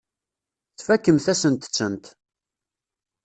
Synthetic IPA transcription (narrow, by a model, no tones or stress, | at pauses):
θfækːəmθæsənt̪ə̥t͡sːənt̪